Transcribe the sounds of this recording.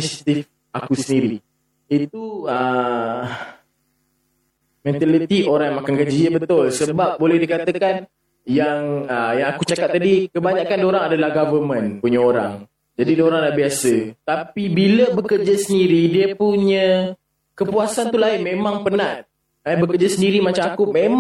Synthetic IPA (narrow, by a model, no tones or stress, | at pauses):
isit̪if | akusəndiɾi | it̪uə | mɛ̃nt̪alit̪ioɾaŋjmakankəd͡ʒiəbət̪ʊlsəbap̚bolɛhdikat̪əkan | jaŋəjaŋakut͡ʃakat̪̚t̪ːadikəbaɲaʔkandoɾaŋadalahɡavəmə̃npuɲəoɾa̰ŋ | d͡ʒadidoɾaŋlahbiasət̪apibiləbəkərd͡ʒasəndiɾidiəpuɲə | kəpuasant̪ulaɪnmẽmãŋpənaʔt̪̚ | əbəkərd͡ʒasəndiɾimat͡ʃamakumem